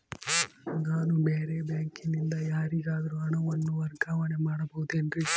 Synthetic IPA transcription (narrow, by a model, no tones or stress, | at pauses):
ŋɡaːnubeːɾebjaːŋkinind̪ɐjaːɾiɡaːd̪ɐɾuɐɳɐʋɐnːuʋɐɾɡaːʋɐne̞maːɽɐbɐɣud̪uendɾi